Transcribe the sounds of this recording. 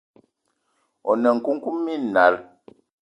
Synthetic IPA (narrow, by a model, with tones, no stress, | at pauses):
ɔ˨nə˨ŋ̩˨ku˦ŋ̩˦ku˦mːi˦˨na˨˦l